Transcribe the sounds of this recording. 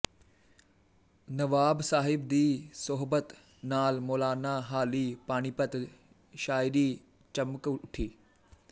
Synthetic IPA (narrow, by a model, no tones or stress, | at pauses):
nɐʋaːbsaːɦɪbd̪iːsʊɦbət̪ | naːlmoːlaːnaɦaːliːpaːɽ̃iːpət̪ | ʃaːɪɾiː | t͡ʃɐmkʊʈʰiː